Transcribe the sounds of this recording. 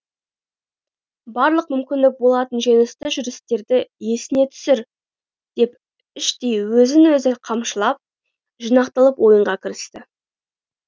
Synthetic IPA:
bɑɾlˠəq̚mʏmkʲɪnd̪ɪk̚bo̞lˠɑt̪ənʒijnəst̪əʒʏɾɪst̪e̞ɾd̪ɪje̞sɪne̞t̪ʰʏ̥sɪɾ | d̪̥e̞p | ɪʃt̪ejwɵzɪnwɵzɪqʰɑmʃəlˠɑp̚ | ʒinɑqt̪əlˠəpwo̞jəɴʁɑkʲʰɪɾɪst̪ɪ

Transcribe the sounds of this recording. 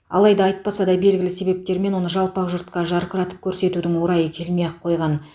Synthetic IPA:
ɑ̰lˠɑjd̪ɑɑjt̪̚pɑsɑd̪ɑbe̞lɡʲɪlɪse̞be̞p̚t̪e̞ɾme̞nwo̞nəʒɑlˠpɑʒʊɾt̪qɑʒɑɾqəɾɑt̪ə̥p̚kʲʰɵɾse̞t̪ud̪ɪŋwo̞ɾɑjəkʲʰe̞lmejqʰːo̞jʁɑn

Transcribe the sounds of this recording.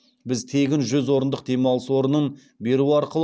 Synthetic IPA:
bɪzt̪ʰe̞ɡʲɪnʒʏzwo̞ɾənd̪əqd̪e̞mɑlˠəswo̞ɾənən | be̞ɾuɑɾqəlˠ

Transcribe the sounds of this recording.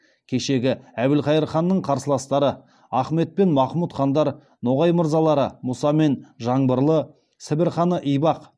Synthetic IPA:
kʲʰe̞ʃe̞ɡʲɪæbɪlqɑjəɾχɑnːəɴqʰɑɾsəlˠɑst̪ɑɾə | ɑχme̞t̪̚pe̞nmɑχmut̪χɑnd̪ɑɾ | no̞ʁɑjməɾzɑlˠɑɾəmʊsɑme̞nʒɑɴbəɾlˠə | sɪbɪɾχɑnəʔijbɑq

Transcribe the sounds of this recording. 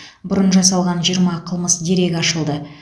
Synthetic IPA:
bʊɾənʒɑsɑlˠʁɑnʒijəɾmɑqʰəlˠməsd̪e̞ɾe̞ɡʲɑʃəlˠd̪ə

